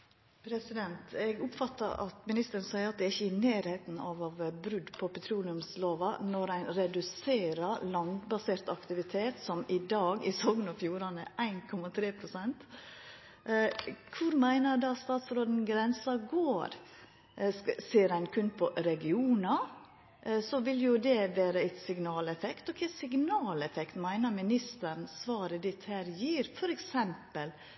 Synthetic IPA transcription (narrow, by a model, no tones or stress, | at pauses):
pʰɾɛsɪd̪ɛnt̪ɛɡʊpfɑt̪ːɑ̰ɾʔɑ̰t̪mɪnɪst̪əɾənsæɪəɾɑt̪̚d̪ɛːɾɪçːəɪnæːɾheːt̪n̩ɑ̰ʋɑʋbɾʉd̪pʰɔpɛt̪ʰɾuːlɪʉmsloːʋɑnɔɾæɪnɾɛd̪ʉseːɾəɾlɑnd̪bɑseːɾt̪ɑkt̪ɪʋɪt̪ʰeːt̪sɔmɪd̪ɑːɡɪsɔɡnɔfjuːɾɑnəʔæɪnkʰɔmɑt̪ʰɾeːpʰɾʊsɛnt̪ | kʰʋʊɾmæɪnəɾd̪ɑst̪ɑːt̪sɾoːd̪n̩ɡɾɛnsɑɡoːɾ | siːɾæɪnkʰʉnpʰɔɾɛɡɪuːnɑ | sɔʋɪljʊd̪ɛʋæːɾəæɪsɪɡnɑːlɛfɛkt̪ɔkʰæsɪɡnɑːlɛfɛkt̪mæɪnəɾmɪnɪst̪əɾnsʋɑːɾəd̪ɪt̪hæːɾjiːɾfɔɾɛksɛmpəl